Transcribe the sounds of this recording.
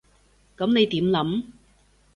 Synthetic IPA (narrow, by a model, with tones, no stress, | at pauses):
kɐ˨˥mne˨˧jt̪iː˨˥mlɐ˨˥m